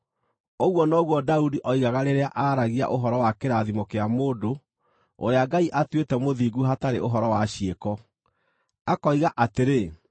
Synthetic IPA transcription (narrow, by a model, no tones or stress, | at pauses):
oɣwɔnɔɣwɔdaudiʔɔiɣaɣaɾeɾeaʔaːɾaɣia̰ʔoɦɔɾɔwakeɾaðimokeamoːdo | o̰ɾeaɡaiʔatwetɛmoðiɡuɦataɾeoɦɔɾɔwaɕiekɔ | akɔiɣaʔateɾe